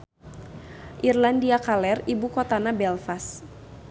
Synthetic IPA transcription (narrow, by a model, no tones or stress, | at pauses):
ʔirlandiakalɛribukot̪anabɛlfas